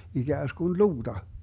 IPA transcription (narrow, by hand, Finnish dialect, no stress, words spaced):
iɡ̊æːskun luːd̥ɑ